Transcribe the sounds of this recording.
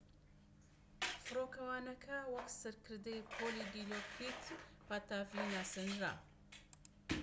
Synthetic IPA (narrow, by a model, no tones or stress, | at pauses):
fɨɾokɐwanɐkʰawaksɨɾkɨɾd̪ejpʰolid̪ilopʰit̪ | pat̪ːafinasɨnɾa̰